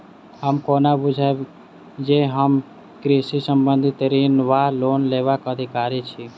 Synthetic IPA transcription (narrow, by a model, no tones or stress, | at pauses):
ɦəmkonabud͡ʒʱa | d͡ʒeɦəm | kɾiʃisəmbənd̪ʱit̪ɾinʋaloːnleʋakəd̪ʱikaɾit͡ʃʰi